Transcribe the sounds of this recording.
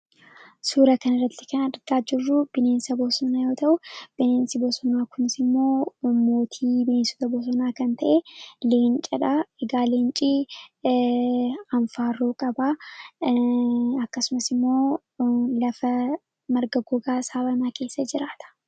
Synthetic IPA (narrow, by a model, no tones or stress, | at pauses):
suːɾɐkɐnɪrːɐt̪ːɪ̥kɐnɐᶑ̪ɐɾɡaːd͡ʒɪrːʊb̥ɪne̞ːnsɐbosɔnaːjo̞ːt̪ɐʔʊb̥ɪneːnsɪbɔsɔnaːkʊnɪsɪmːo̞ːmo̞ːt̪ʰiːbɪneːnsʊt̪ɐbɔs̬ɔnaːkɐnt̪ɐʔeːle̞ːnt͡ʃʼɐᶑaɛɡaːleːnt͡ʃʼiː | ɐɱfaːroːkʼɐbaː | ɐkːɐsʊmɐsɪmːo̞ː | lɐfɐ | mɐɾɡɐɡɔɡaːsaːbɐnɐke̞ːsːɐd͡ʒɪɾaːt̪ɐ̥